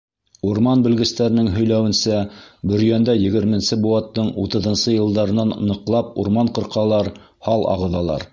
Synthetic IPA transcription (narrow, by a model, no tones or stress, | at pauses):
uɾmɑnbɵ̆lɡɘ̆st̪æɾɘ̆nɘŋɦɵ̆jlæwɘ̆nsæbɵ̆ɾjænd̪æjɘ̆ɡɘ̆ɾmɘ̆nsɘbuɑt̪ːɤɴut̪ɤ̆ðɤ̆nsɤjɤ̆lˠd̪ɑɾɤ̆nɑnːɤ̆qlˠɑp̚uɾmɑɴqɤ̆ɾqɑlˠɑɾ | hɑlˠɑ̰ʁɤ̆ðɑlˠɑ̰ɾ